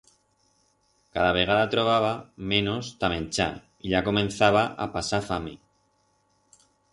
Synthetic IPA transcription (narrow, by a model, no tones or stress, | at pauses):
kaðaβe̞ɣ̞aðat̪ɾo̞β̞aβamẽ̞nost̪amẽnt͡ʃa̰ | iʎako̞mẽ̞n̟θaβaʔa̰pasafami